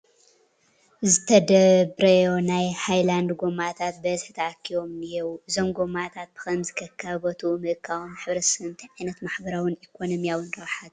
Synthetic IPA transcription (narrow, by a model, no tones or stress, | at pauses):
zɨt̪ʰɐd̪ɐbɾɐjo̞najhajland̪ɡo̞mat̪ʰat̪̚bɐzɨħɨt̪ʰɐʔakʰːiwo̞mɨjɛwʔɨzo̞mɡomat̪ʰat̪̚b̥ɨ̥xɐnzɨkʰɐkʰːaβɐt̪ʰumɨʔɨkʰːawomħɨβɾɐsɐɨnt̪ʰiʕajnɐt̪maħbɐɾawɨnikʰo̞nomijawɨnɾɐwħat̪